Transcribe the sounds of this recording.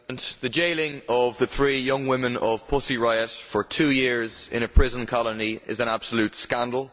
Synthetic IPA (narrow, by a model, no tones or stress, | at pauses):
nðəd͡ʒeɪlɪ̃ŋʌvðəθɹiːjʌ̃ŋwɪ̃mɪ̃nəv̥pʰʊsiɹaɪətfə˞tʰʉːjɪɹzɪ̰̃ñəpʰɹ̥ɪzə̃nkʰɒləniɪ̰zə̃ñab̥səljʉˑtskãndˡl̩ˠ